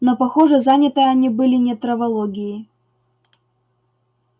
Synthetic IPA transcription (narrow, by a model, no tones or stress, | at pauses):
nɐpɐxoʐɨzanʲɪt̪əjɐnʲibɨlʲɪnʲɛt̪ɾɐvɐlˠoɡʲɪjɪ